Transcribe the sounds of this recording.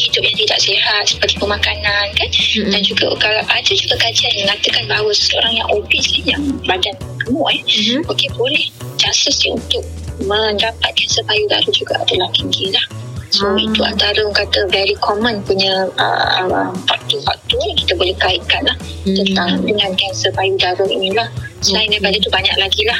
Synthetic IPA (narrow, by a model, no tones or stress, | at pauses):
t̪idʊp̚jaŋt̪ida̰ʔsiɦat̪̚sə̥pəɡ̪ipəmakanankandand͡ʒuɡa̰kaaʔadad͡ʒuɡakad͡ʒianməŋat̪əkanbaɦawəsə̥səo̰ɾaŋja̰ŋʔobisajaŋbadanbək̪əmɔʔɛokebolɛhd͡ʒasəsəṵnt̪ʊk̚ | mə̃ndapat̪̚kansəbajudaɾəd͡ʒuɡa̰ʔa̰dalahkiŋɡilahsoit̪ua̰nt̪aɾəoŋkat̪əvɛɾikʰɔmə̃npuɲəə̰əəmfak̚t̪ufak̚t̪ujki̥t̪abolɛhkaiʔkanlaht̪ənt̪aɦandəŋãnɡansəbajudaɾəminilahsəlajiŋdajpadat̪ubaɲa̰k̚laɡilah